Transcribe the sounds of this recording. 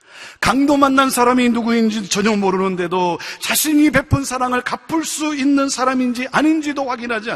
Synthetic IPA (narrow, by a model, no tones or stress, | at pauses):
kaŋdomanːansʰaɾaminuɡuind͡ʑiot͡ɕʌɲʌŋmoɾɯnɯnde̞dot͡ɕaɕʰiɲipe̞pʰɯnsʰaɾaŋɯɭkapʰɯɭs͈uinːɯnsʰaɾamind͡ʑiʔaɲind͡ʑidoɸwaɡinɦad͡ʑi